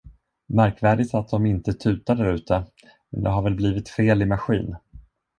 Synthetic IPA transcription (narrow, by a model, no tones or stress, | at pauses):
mæɾkvæːɖɪt̪at̪̚d̪ɔmɪnt̪ət̪ʰʉ̟ːt̪aɖæɾʉ̟ːt̪ə | mɛnd̪ɛɦaɾvɛlbliːvɪt̪feːlɪmaɧḭːn